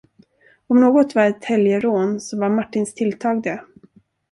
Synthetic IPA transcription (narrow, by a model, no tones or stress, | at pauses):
ɔmnoːɡɔt̪vaɾɛt̪hɛljəɾoːnsɔvaɾmaʈːɪnst̪ʰɪlt̪ʰɑːɡ̚d̪ɛ